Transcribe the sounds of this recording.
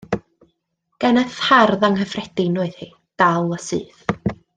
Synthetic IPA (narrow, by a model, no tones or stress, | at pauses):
ɡ̥ɛnəθharðaŋhəfrɛd̥ɪnʊɨðhi | d̥alˠəsɨ̰ːθ